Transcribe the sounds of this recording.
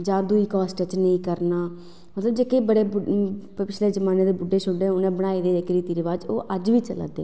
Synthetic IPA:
d͡ʒaːd̪uːiːkɔːsʈt͡ʃnəĩːkəɾnaː | mət̪ləbd͡ʒeːkebəɽeːbpɪt͡ʃʰleːd͡ʒəmaːneːd̪eːbʊɖeːt͡ʃʰʊɖẽːʊnẽːbəɽ̃aːid̪eːeːkɾiːt̪iːɾeʋaːd͡ʒo̰ːʔəd͡ʒʋiːt͡ʃəla̰ːd̪ḛː

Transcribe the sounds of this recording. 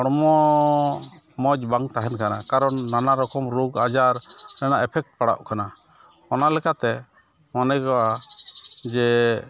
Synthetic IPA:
ɔɽɔmɔ | mɔd͡ʒ̚baŋt̪aɦɛnkanakaɾɔnːanaɾɔkɔmɾuɡad͡ʒaɾnɛnaʔɛpʰɛk̚ʈ̚paɽa̰ʔkana | ɔnalɛkat̪ɛ | manɛjkɔʔa | d͡ʒɛ

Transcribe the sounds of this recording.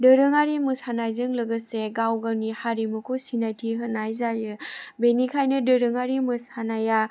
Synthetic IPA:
dɯɾɯŋaɾimɯsanajzɯŋlɯɡɯseɡawɡanihaɾimɯkʰosinajtʰiɦɯnːajzajɯbenikʰajnɯdɯɾɯŋaɾimɯsanaja

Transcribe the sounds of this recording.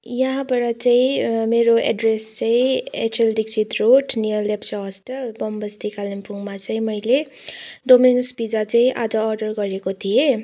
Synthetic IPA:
jaɦãbʌɽʌt͡saĩmeɾoʔḛɖrest͡saĩḛt͡ʃelɖiksʰit̪roʈnijʌllepsʌɦʌsʈʌlbʌmbʌst̪ʰikalempʰuŋmat͡sʌĩmʌjle | ɖominusbid͡zat͡saĩʔa̰d͡zʌːrɖʌrɡʌɾekot̪ʰije

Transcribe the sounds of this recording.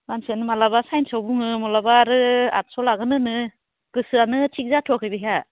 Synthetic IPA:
mansianɯmalabasajnsawbuŋɯmɔlabaːɾɯa̰t̚sɔlaɡɯnɯnɯ | kɯsɯanɯtʰik̚zatʰuakʰɯjbɯɦja

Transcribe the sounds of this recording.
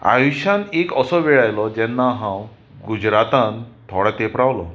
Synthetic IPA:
a̰juɕãnekəsɔʋɛɭajlɔd͡ʑɛnːaɦãw | ɡud͡ʑɾat̪ãnt̪ʰoɽat̪epɾawlɔ

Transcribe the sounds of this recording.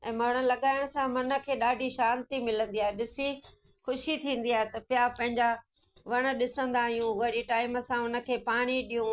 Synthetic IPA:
ɛ̃ːmɐɽ̃ə̆lɐɠaːɪɽ̃sãmɐnə̆kʰeːɗaːɖʱiʃaːnt̪imɪlə̃nd̪iaːɦeɗɪsi | xʊʃit̪ʰĩːnd̪iaːɦet̪ɐpjapɐ̃ɦɪ̃ɲd͡ʑa | ʋɐɽ̃ə̆ɗɪsə̃nd̪aːɦijũʋɐɽiʈaːɪməsãʊnə̆kʰeːpaːɽ̃iɗijũ

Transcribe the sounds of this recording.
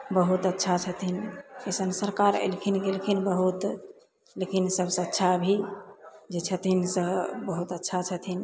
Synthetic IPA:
bəɦut̪ətːʃʰat͡ʃʰət̪ʰinəsənsəɾkaɾḛlkʰinɡelkʰinbəɦut̪ | lekinsəbsə̃ːtːʃʰabʱi | d͡ʒet͡ʃʰət̪ʰinsə̃bəɦut̪ətːʃʰat͡ʃʰət̪ʰin

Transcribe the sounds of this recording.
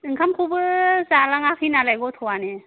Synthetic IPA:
ɯŋkʰamkʰubɯzalaŋakʰinalajɡɔt̪ʰɔwane

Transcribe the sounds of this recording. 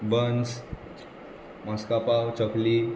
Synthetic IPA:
bəns | maskapawt͡ɕəkli

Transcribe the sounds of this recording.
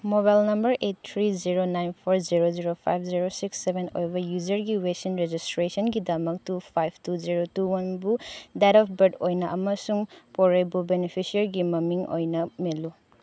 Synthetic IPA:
moβajlnɐmbɐɾʔet̚tʰːɾiziɾonajnpʰoɾziɾoziɾopʰa̰jp̚ʰziɾosiksːebʱeno̰jbɐjuzɐɾɡiwesinɾed͡ʒistɾesɔnɡidɐmɐk̚tupʰajb̚ʰtuziɾotuwɐnbudaɾɔpʰbɐɾdojnɐʔɐmɐsuŋpoɾejbubenepʰisiɐɾɡimɐmiŋo̰jnɐmelu

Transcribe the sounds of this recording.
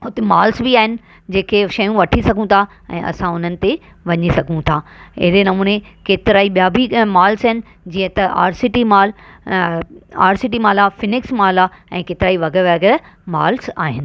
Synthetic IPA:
ʊt̪emaːlsbiaːɦɪnɪ̆ | d͡ʑeːkʰeʃɐjũʋɐʈʰisɐɡʱũt̪ʰa | ɛ̰̃ːʔɐ̰sãʊn̤ənɪ̆t̪e | ʋɐɲisɐɡʱũt̪ʰaːɪ̰ɦɪɾenɐmũːnekeːt̪ɪɾaːiɓijabʱimaːlsɦɪnɪ̆ | d͡ʑiːə̃t̪ɐʔa̰ːɾsɪʈimaːl | a̰ːɾsɪʈ̬imaːlaːfɪnɪksmaːlaːɛ̃ːkeːt̪ɪɾaːiʋɐɡəʋɛɡeɾ | ma̰ːlsa̰ːɦɪnɪ̆

